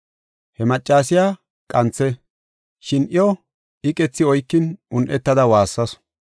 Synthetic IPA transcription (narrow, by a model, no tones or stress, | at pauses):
hɛmɐt͡ʃʼːaːs̬ɪjaː | kʼɐnt͡sːɛ | ʃɪnʔɪjo | ɪkʼɛt͡sːɪɔjkːɪnʔʊnʔɛt̪ːɐd̪ɐwaːsːɐs